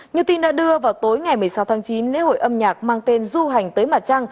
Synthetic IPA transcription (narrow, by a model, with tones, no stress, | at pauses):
ɲɨ˧t̪i˧nɗa̰ː˧˥ɗɨ˧əvaː˨˩wwt̪o˨˦jŋa˨˩jmɨ˨˩əjsa˨˦wt̪ʰːŋt͡ɕi˨˦nlḛ˧˥ho̰˧˨jʔə˧mɲaː˨˩k̚maː˧ŋt̪e˧nzu˧ɦa˨˩jŋ̟t̪əː˨˦jmaː˨˩t̚t͡ɕa˧ŋ